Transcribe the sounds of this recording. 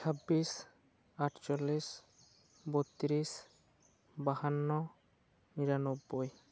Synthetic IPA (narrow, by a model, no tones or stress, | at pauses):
t͡ʃʰabːis | aʈʰt͡ʃɔlːis | bɔt̪iɾis | bahanːɔ | niɾanobːoj